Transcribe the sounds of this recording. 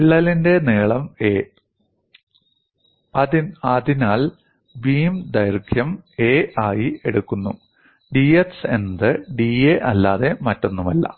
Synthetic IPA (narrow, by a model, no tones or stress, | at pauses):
iɭːɐlinde̞neːɭɐmeː | ɐðinɐðinaːɭ | biːmd̪ɐjrkʰjɐmeːaːjie̞ɽukːunːu | ɖiːese̞nd̪ɨɖieʔɐlːaːðe̞mɐtːo̞nːumɐlːɐ̰